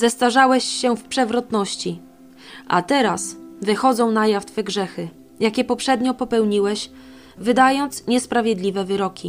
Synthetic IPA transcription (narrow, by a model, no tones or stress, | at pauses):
zɛst̪aʐawɛɕːɛfpʂɛvɾɔt̪nɔɕt͡ɕi | ʔa̰t̪ɛɾasvɘxɔd̪zɔ̃w̃najaft̪fɛɡʐɛxɘ | jakʲɛpɔpʂɛd̪ɲɔpɔpɛwɲiwɛɕ | vɘd̪ajɔnt̪sɲɛspɾavʲjɛd̪lʲivɛvɘɾɔkʲi